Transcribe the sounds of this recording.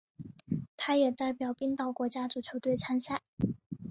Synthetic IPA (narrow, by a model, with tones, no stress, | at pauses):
t̪ʰa˥jɛ˨˩t̪a˥˩ɪpjɑ˨˩ʊpi˥ŋt̪ɑ˥˩ʊkwɔ˧˥t͡ɕja˥t͡su˨˩t͡ɕʰjo˧˥ʊt̪we˥˩ɪt͡sʰa˥nɕa˥˩ɪ